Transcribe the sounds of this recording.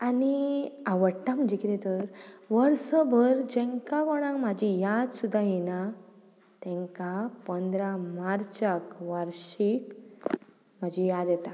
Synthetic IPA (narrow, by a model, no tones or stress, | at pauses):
aniaʋəɽʈãm̤əd͡ʑikit̪et̪əɾʋəɾsɔbʱəɾd͡ʑɛ̃ŋkãkɔɽ̃ãŋmad͡ʑijad̪sud̪ʱajina | t̪ɛ̃ŋkapɔnd̪ɾamaɾt͡ɕakʋəɾɕik | məd͡ʑijad̪jɛt̪a